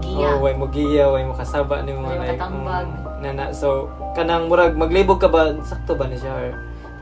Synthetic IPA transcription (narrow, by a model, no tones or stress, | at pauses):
owajmʊɡijawajmokasaːba̰ʔnɪmolajk̩ | nanaʔso | kanaŋmʊɾaɡ̚maɡlibʊɡ̚kabasak̚t̪ʊbanaʃa